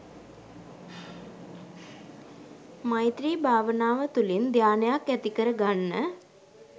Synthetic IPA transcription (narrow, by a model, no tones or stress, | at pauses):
majt̪ɾiːbʱaːʋənaːʋət̪ulind̪ʱjaːnəjakːæt̪ikəɾəɡanːə